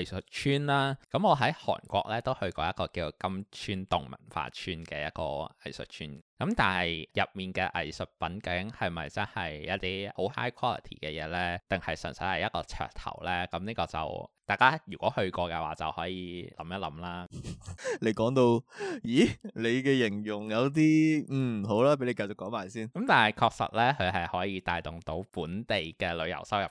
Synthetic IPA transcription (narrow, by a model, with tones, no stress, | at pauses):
ɐ˨jsɵ˨t̚t͡ʃʰyː˥nlaː˥kɐ˨˥mɔː˨˧ɦɐ˨˥jhɔ̰ː˨˩nkʷɔː˧k̚lɛː˥t̪o˥whɵ˧ɥkɔː˧jɐ˥kːɔː˧kiː˧t͡skɐ˥mt͡ʃʰyː˥nt̪ʊ˨ŋmɐ̰˨˩nfa̰ː˧t͡ʃʰyː˥nkɛː˧jɐ˥kɔ̰ː˧ɐ̰˨˩jsɵ̰˨t̚t͡ʃʰyː˥nkɐ˨˥mt̪aː˨nhɐ˨jjɐ˨p̚miː˨nkɛː˧ʔɐ̰˨jsɵ˨t̚pɐ˨˥nkɐ˧˨wkɪ˨˥ŋhɐ˨jmɐ˨jt͡sɐ˥nhɐ˨jjɐ˥t̪iː˥ʔo˨˥wha̰ː˥jkʰwɔː˥lɪ̰˨t̪ʰḭː˨˩kɛː˧jɛː˨˧lɛː˥t̪ɪ˨ŋhɐ˨jsɐ̰˨˩nsɐ˨˥hɐ˨˩jɐ˥kɔː˧t͡sʰœ̰ː˨˩k̚t̪ʰɐ̰˨˩wlɛː˥kɐ˨˦mniː˥kɔː˧t͡sɐ̰˨˩wt̪aː˨jkaː˥jyː˨˩kʷɔː˨˥hɵ˧ɥkɔː˧kɛ˧waː˨˩t͡sɐ̰˨whɔː˨˥jiː˧lʔɐ˨˩mjɐ˥t̚lɐ˨˥mlaː˥ | le˨˧jkɔː˨˥ŋt̪o˧wjiː˨˥le˨˧jkɛː˧jɪ˨˩ŋjʊ˨˩ŋjɐ˨˧wt̪̬iː˥m̩ː˥˨˩ɦo˨˥wlaː˥pe˨˥jle˧kɐ˧jt͡sʊ˨kːɔː˨˥maː˨˩jsiː˥˩nkɐ˨˥mt̪aː˨nhɐ˨˩jkʰɔː˧k̚sɐ̰˨t̚lɛː˥kʰɵ˨˧ɥɦɐ˨jhɔː˨˥jiː˧t̪aː˨jt̪ʊ˨˩ŋt̪o˨˥wpuː˨˥nt̪e˨jkɛː˧lɵ˨˧ɥjɐ̰˨˩wsɐ˥wjɐ˨˩p